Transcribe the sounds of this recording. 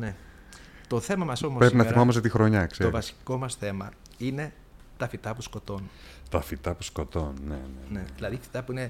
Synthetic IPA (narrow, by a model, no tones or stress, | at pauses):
ne̞ | t̪o̞θe̞mɐmɐso̞mospɾepinɐθimɐmos̬et̪ixɾo̞ɲɐkseovɐsi̥ko̞mɐsθe̞mɐ | ine̞ | t̪ɐfit̪ɐpusko̞t̪o̞nt̪ɐfit̪ɐpu̥sko̞t̪o̞nːḛnene̞ðilɐðifi̥t̪ɐpuine̞